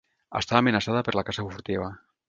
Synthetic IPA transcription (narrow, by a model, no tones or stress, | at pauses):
a̰st̪aβaːmenasaðapeɾlakasafufuɾt̪iβa